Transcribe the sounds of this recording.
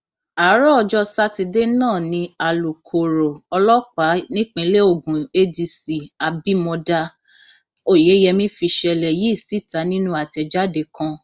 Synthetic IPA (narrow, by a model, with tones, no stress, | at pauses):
a˨˦ɾɔ˦ɔ˧d͡ʒɔ˧sa˦ti˧de˦nãː˦˨nĩ˧a˨lu˨kʰo˨ɾo˨ɔ˧lɔ˦k͡pa˨˦nĩ˦k͡pĩ˧˦le˦o˧˨ɡũ˨e˦di˧si˨a˨bi˦mɔ̃˧da˧ | o˦˨je˨˦jɛ˧mĩ˦fi˧ʃɛ˧lɛ˨ji˨˦˨si˦˨ta˨˦nĩ˦nũ˦a˦˨tɛ˧d͡ʒa˦de˨˧˨kã˧